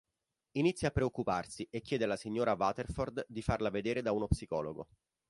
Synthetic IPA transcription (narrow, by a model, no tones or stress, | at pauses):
init̪sːjapːɾeokːuparsiʔekʲːjɛːd̪elasiɲːoːɾavat̪erford̪d̪ifarlaved̪eːɾed̪aunopsikɔːloɡo̰